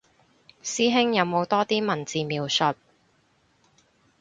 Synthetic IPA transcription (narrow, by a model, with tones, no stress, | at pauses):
siː˥ɦɪ˥ŋjɐ˨˧wmo˨˧wt̪ɔː˥t̪iː˥mɐ˨˩nt͡siː˨miː˨˧wsɵ˨˧t̚